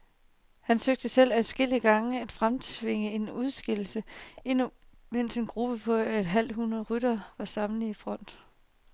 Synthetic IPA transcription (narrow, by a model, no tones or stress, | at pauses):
hænsøɡ̥̚d̥əsel̰æsɡ̥el̰iəɡ̥ɑ̈ŋəæd̥fʁamt͡sʰʋe̝ŋəe̝nuð̞ˠsɡ̥el̰l̩səe̝nu | men̰se̝nɡ̥ʁub̥əpʰɒ̽ed̥ɦæl̰d̥ɦunɐðˠʁyɾɐʋɑ̈sɑ̈mn̩ˠifʁɒ̽n̰d̥